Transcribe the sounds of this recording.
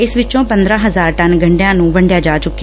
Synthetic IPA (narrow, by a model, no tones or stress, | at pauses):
ɪsʋɪt͡ʃõːpə̃nd̪ɾãːɦəzaːɾʈənɡʱəɳɖejãːnũːʋəɳɖɪjaːd͡ʒaːt͡ʃʊkːi